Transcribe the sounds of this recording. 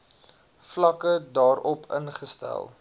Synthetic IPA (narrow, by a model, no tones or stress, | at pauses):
flɐkədɑːrɔpʰə̰nχəstæ̰lˠ